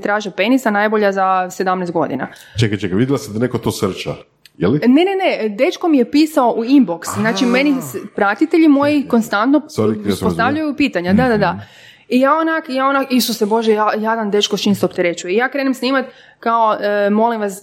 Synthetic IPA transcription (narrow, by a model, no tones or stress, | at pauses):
t̪ɾaːʒepe̞nisanajbo̞ʎazased̪amnesɡo̞d̪ina̰ | t͡ʃekajt͡ʃekajʋid̪jelˠased̪anekot̪osr̩t͡ʃa̰ | jelinene̞ned̪e̞t͡ʃkomije̞piːsao̞ʔuimboksznaːt͡ʃime̞nispɾat̪it̪eʎimo̞jiko̞nst̪ant̪noaik̪ispot̪aʋʎajupiːt̪aɲad̪ad̪ad̪a | ijaːonakjaːonakist̪oseboʒejajad̪and̪e̞t͡ʃkot͡ʃinst̪opt̪eɾet͡ʃuijaːkɾenemsniːmat̪ʲ | kaoəmo̞limʋas